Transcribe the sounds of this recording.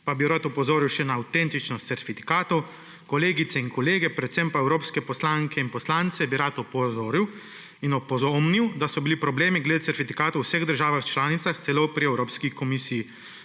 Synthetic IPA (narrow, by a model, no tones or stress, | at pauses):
pabiɾat̪ɔpɔzoːɾiwʃɛnaːwt̪ɛnt̪it͡ʃnɔst̪sɛɾfifi̥kaːt̪ɔw | kɔleːɡit̪sɛinkɔleːɡɛpɾɛt̪sɛmpaɛwɾoːpskɛpɔslaŋkʰɛinpɔslaːnt̪sɛbiɾat̪ɔpɔzoːɾiw | inɔpɔzomniwd̪asɔbilipɾɔbleːmiɡlɛd̪esɛɾfifikaːt̪owsɛɣd̪əɾʒaːʋaxt͡ʃlaːnit̪saxt̪sɛloːpɾiɛwɾoːpskikɔmisiji